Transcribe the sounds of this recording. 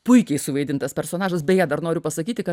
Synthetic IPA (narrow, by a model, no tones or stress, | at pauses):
pʊɪkʲɛɪsʊʋɐɪd̪ʲɪnt̪ɐspʲɛɾsoːnɑːʒɐsbʲɛjæːd̪ɐrnoːɾʲʊpɐsɐkʲiːt̪ʲɪkɐ